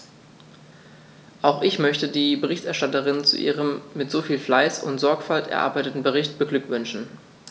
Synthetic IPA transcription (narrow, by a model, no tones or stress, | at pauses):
ʔaʊxʔɪçmœçtədiːbəʁɪçtɛɐʃtatəʁɪnt͡sṵʔḭːʁəmːɪtz̥ofiːlflaɪsʊ̰ntz̥ɔɐkfaltɛ̰ɐʔa̰ɐbaɪtətn̩bəʁɪçtb̥əɡlʏkvʏnʃn̩